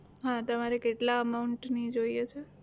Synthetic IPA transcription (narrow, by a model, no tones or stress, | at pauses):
ɦãt̪əmaɾekeʈlaəmauɳʈnid͡ʒoijet͡ʃʰe